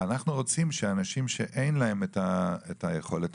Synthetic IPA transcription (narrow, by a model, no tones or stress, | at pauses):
anaχnuʁo̞t͡simʃeanaʃimʃe̞ʔe̞jnlae̞metaetajeχo̞let